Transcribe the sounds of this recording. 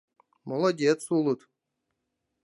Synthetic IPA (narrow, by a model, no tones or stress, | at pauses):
molˠɐdʲet̪sulˠɨt̪